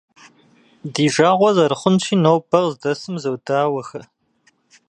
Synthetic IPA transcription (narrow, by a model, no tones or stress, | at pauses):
diːʒaːʁʷɔzɐɾɨχʷʊnt͡ʃʰiːnowbʰɐʁzdɐsɨmzɐwdaːwɐxɐ